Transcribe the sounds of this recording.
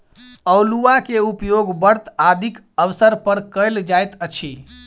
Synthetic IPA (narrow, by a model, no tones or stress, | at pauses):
əwluakeupjoɡbəɾt̪ad̪ʱik | əʋsəɾpəɾkəjld͡ʒajt̪ət͡ʃʰi